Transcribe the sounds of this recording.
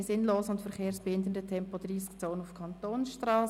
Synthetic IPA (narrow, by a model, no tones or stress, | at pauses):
sɪnloːsəʊntfɛɾχeːɾsb̥ɛɪndən̩dətʰɛmpodriːskt͡soːənʊfkʰɑntoːnsʃtrɑːs